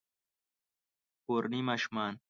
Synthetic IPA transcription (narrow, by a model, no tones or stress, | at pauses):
poɾnimɐʃmaːn